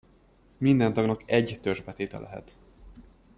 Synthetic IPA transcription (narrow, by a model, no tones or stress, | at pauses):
mind̪ɛnt̪ɒɡnɒkɛɟt̪øʒbɛt̪eːt̪ɛ̰lʔɛɦɛ̰t̪